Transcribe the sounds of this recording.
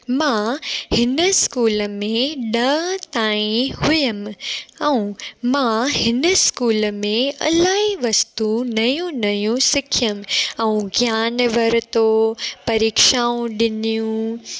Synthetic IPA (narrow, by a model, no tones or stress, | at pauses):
mãhɪnəskuːləmẽɗɐt̪aːĩhʊjəmɛũmãhɪnəskuːləmẽɐ̰laːɦiʋɐst̪unɐjũnɐjũsɪkʰjəmɛũɡʱjaːnʋɐɾt̪opɐɾiːkʃaːũɗɪnijũ